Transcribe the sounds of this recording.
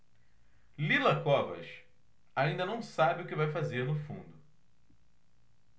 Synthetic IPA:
lilɐkɔvɐ̰ʃ | aĩnd̪ɐnɐ̃w̃sabɪʊkɪvajfazeɾnʊfṵ̃nd̪ʊ

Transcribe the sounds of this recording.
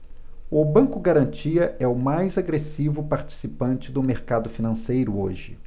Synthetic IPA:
ʊbɐ̃ŋkʊɡaɾɐ̃nt͡ʃiɐʔɛʊmajzaɡɾesivʊpaɾt͡ʃi̥sipɐ̃nt͡ʃɪd̪ʊmeɾkad̪ʊfinɐ̃sejɾʊoʒɪ

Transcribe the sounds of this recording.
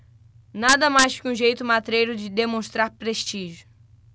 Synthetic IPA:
nad̪ɐmajskɪũʒejt̪ʊmat̪ɾejɾʊd͡ʒɪd̪emõʃt̪ɾaɾpɾeʃt͡ʃiʒʊ

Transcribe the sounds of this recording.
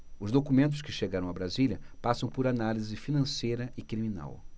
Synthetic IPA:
ʊzd̪okumẽnt̪̬ʊskɪʃeɡaɾɐ̃w̃abɾaziljɐpasɐ̃w̃pʊɾanalizɪfinɐ̃sejɾɐʔɪkɾimĩna̰w

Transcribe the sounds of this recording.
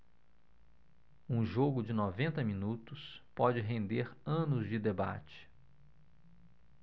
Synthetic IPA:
ũʒoɡʊd͡ʒɪnɔvẽnt̪ɐmĩnut̪ʊspɔd͡ʒɪɦẽnd̪eɾɐ̃nʊzd͡ʒɪd̪eba̰t͡ʃɪ̥

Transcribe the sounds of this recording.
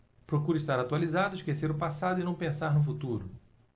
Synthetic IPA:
pɾokuɾiʃt̪aɾat̪ualizad̪ʊiʃkeseɾʊpasad̪ʊɪnɐ̃w̃pẽsaɾnʊfut̪uɾʊ

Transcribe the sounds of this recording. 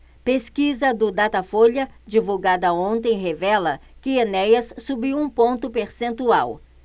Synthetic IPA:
peskizɐd̪ʊd̪at̪ɐfoʎɐd͡ʒivuwɡad̪ɐõnt̪ẽj̃ɦevɛlɐkɪenɛjɐssubiwũpõnt̪ʊpeɾsẽnt̪uaw

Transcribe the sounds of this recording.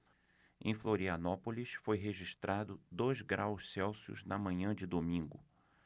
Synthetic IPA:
ḛ̃j̃floɾiɐnɔpolisfojɦeʒiʃt̪ɾad̪ʊd̪ojzɡɾawssɛwsiʊ̰znɐmɐ̃ɲɐ̃d͡ʒɪd̪omĩŋɡʊ̰

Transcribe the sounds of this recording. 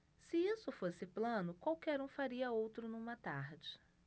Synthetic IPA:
sɪisʊfosɪplɐ̃nʊkwawkɛɾũfaɾiɐowt̪ɾʊnũmɐt̪aɾd͡ʒɪ

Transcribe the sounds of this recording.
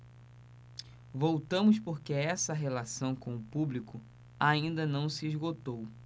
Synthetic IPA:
vowt̪ɐ̃mʊspoɾkeɛsɐɦelasɐ̃w̃kõw̃ʊpublikʊ | aĩnd̪ɐnɐ̃w̃siizɡot̪ow

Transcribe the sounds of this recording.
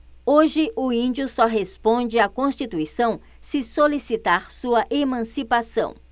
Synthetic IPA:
oʒɪʔʊĩnd͡ʒiʊsɔɦespõd͡ʒɪakõsʃt͡ʃit̪uisɐ̃w̃ | sɪsolisit̪aɾsuɐʔemɐ̃sipasɐ̰̃w̃

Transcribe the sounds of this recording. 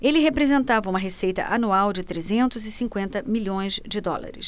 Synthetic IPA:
elɪɦepɾezẽnt̪avɐũmɐɦesejt̪ɐ̰ʔanuawd͡ʒɪt̪ɾezẽnt̪ʊzɪsĩkwẽnt̪ɐmiʎõj̃zd͡ʒɪd̪ɔ̰la̰ɾɪ̰s

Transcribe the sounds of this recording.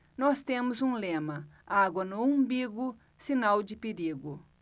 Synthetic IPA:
nɔst̪ẽmʊzũlẽmɐaɡwɐnʊũbiɡʊ | sinawd͡ʒɪpeɾiɡʊ

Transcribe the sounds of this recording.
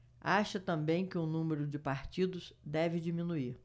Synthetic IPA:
aʃɐt̪ɐ̃mbẽj̃kɪũnũmeɾʊd͡ʒɪpaɾt͡ʃid̪ʊz̥d̪ɛvɪd͡ʒimĩnuiɾ

